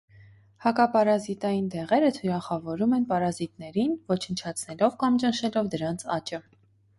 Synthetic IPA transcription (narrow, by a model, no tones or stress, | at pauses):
hɑkɑpɑɾɑzit̪ɑjind̪ɛʁɛɾət̪ʰuɾɑχɑvɔɾumɛnpɑɾɑzit̪nɛɾinvɔt͡ʃʰənt͡ʃʰɑt͡sʰnɛlɔvkɑmt͡ʃənʃɛlɔvd̪əɾɑnt͡sʰɑt͡ʃə